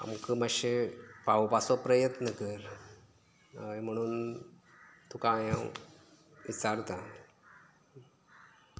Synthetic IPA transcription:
a̰mkəməɕepawpasopɾəjət̪nəkəɾ | m̤əɽ̃uːn | t̪ukajãw | ʋit͡saɾt̪a

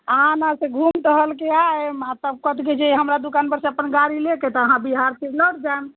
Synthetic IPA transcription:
əãnãsẽɡʱumʈəɦəlkeaemat̪əb̚kət̪ʰked͡ʒeɦəmɾad̪ukanbəɾseəpənɡaɾileket̪ɔəɦãbiɦaɾtʰipləɽd͡ʒaem

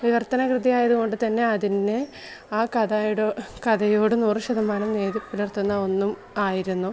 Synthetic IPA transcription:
ʋiʋɐrt̪ɐnɐkrɨd̪ijaːjɐðuɣo̞ɳɖɨt̪ɐnːe̞ɐðinːɨ | aːkɐðɐɽkɐðɐjoːɽɨnuːrɕɐðɐmaːnɐmne̞ːðipːilirt̪ːunːɐo̞nːum | aːjiɾunːu

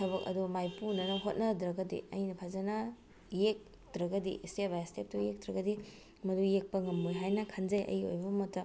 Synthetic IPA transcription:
tʰɐbɐkɐ̰dumajpunɐnɐɦot̚nɐdɾɐɡɐdḭɐjnɐpʰazanɐ | jek̚ | dɾɐɡɐdiʔstebʱajstep̚tujek̚dɾɐɡɐdi | mɐdujek̚pɐŋɐmojɦajnɐkʰanzɐjʔɐ̰jo̰jbɐmotːɐ

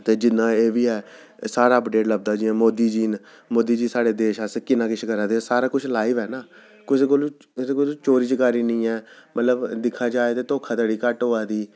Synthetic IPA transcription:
t̪eːd͡ʒɪnːãːeːʋiːɛː | saːɾaːəpɖeːʈləb̚d̪aːd͡ʒiːɛ̃ːmoːd̪iːd͡ʒiːn | moːd̪iːd͡ʒiːsaːɽeːd̪eːʃaːskɪnãːkɪʃʰkəɾãːd̪eːsaːɾaːkʊt͡ʃʰlaːiʋɛːnaː | kʊsekol | sekʊst͡ʃoːɾiːd͡ʒəkaːɾiːnĩːɛːmət̪ləbd̪ɪkʰːaːd͡ʒaːeːt̪eːt̪oːkʰaːt̪əɽiːkəʈɦoːaːd̪iː

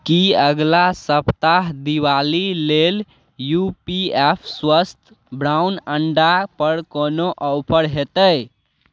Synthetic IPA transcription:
kiəɡlasəpt̪aɦd̪iwalilel | jupiepʰswəst̪ʰ | bɾaʊnəɳɖapəɾkonoʔəʊpʰəɾɦet̪əj

